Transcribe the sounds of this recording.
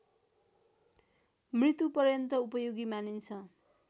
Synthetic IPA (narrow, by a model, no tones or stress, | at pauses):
mrit̪upʌɾjʌnt̪ʌupʌjoɡimanint͡sʰʌ